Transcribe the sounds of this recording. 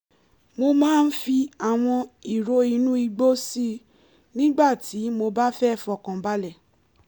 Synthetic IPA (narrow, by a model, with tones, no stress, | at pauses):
mo˧mãː˦˧n̩˦fi˧a˨w̃ɔ̃˧i˨ɾo˨˦i˧nũ˦i˧ɡ͡bo˦si˦ | nĩ˦ɡ͡ba˦˨ti˨˦mo˧ba˦fɛ˦˨fɔ˨kã˨ba˧lɛ˦˨